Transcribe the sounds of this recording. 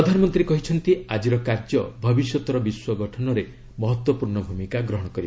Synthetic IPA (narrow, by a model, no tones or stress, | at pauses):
ɾɔd̪ʱanɔmɔnt̪ɾiekɔɦit͡ʃʰɔnt̪iad͡ʒiɾɔkaɾd͡ʒɔbʱɔbisjɔt̪ɔɾɔbiswɔɡɔʈʰɔnɔɾe | mɔɦɔt̪wɔpuɾɳɔbʱumikaɡɾɔɦɔɽ̃ɔkɔɾib